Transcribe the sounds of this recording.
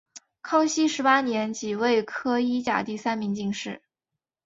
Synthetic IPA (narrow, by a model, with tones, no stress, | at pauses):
kʰɑ˥ŋɕi˥ʂɻ̩˧˥pa˥njɛ˧˥nt͡ɕi˨˩we˥˩ɪkʰɤ˥i˥t͡ɕja̰˨˩t̪i˥˩sa˥nmi˧˥ŋt͡ɕi˥˧ŋʂɻ̩˥˩